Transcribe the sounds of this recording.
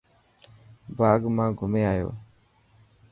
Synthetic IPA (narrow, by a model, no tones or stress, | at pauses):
baːɡmãːɡʱʊmeːaːjo̰ː